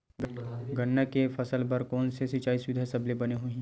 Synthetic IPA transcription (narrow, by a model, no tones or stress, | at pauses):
ɡɡʱɐnːakefɐsəlpɐɾkɔːnsesit͡ʃaːisʋɪd̪ʱasɐblebɐneɦuĩː